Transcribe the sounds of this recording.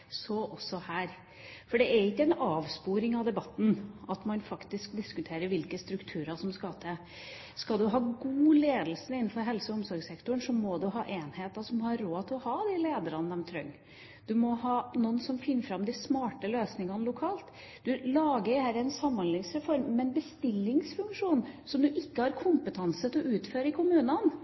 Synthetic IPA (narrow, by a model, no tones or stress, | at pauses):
sɔʔɔsːɔhæːɾ | fɔɖɛæɾɪkːəɛnɑːʋspuːɾɪŋɑʋd̪ɛbɑt̪ːn̩ɑt̪mɑnfɑkt̪ɪsk̚d̪ɪskʉt̪ʰeːɾəɾʋɪlkəst̪ɾʉkt̪ʰʉːɾɑʂɔmskɑt̪ʰɛ | skɑld̪ʉɦɑːɡuːleːd̪l̩sənɪn̩ːfɔɾɦɛlsəɔʊmsɔɾɡsɛkt̪ʊɳʂɔmɔd̪ʉɦɑ̰ːʔeːnheːt̪ɑsɔmhɑɾoːt̪ʰɪlɔhɑːd̪ɪleːd̪əɾɑnəd̪ɛmt̪ʰɾœ̰ŋː | d̪̥ʉmɔhɑːnuːənsɔmfɪnːəɾfɾɑmd̪ɪsmɑːʈəløːsnɪŋɑnəlʊkʰɑːlt̪ | d̪̥ʉlɑːɡəɾhæːɾænsɑmːɑnlɪŋsɾɛfɔɾmːɛnbəst̪ɪlːɪŋsfʉŋkʂuːnsɔmd̪ʉʔɪkːəhɑɾkʰʊmpət̪ʰɑnsət̪ɪlɔʉːt̪føːɾəɪkʰʊmʉːnən